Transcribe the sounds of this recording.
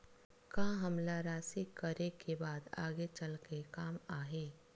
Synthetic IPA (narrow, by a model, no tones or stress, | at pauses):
kãːɦɐmlaɾaːsikəɾekebaːd̪a̰ːɡet͡ʃəlkekaːmaːɦeː